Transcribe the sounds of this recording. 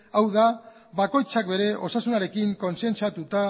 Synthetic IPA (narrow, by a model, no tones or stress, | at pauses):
awða | βako̞jt͡sak̚be̞ɾe̞ʔo̞sasunaɾe̞kiŋko̞nse̞nt͡sat̪ut̪a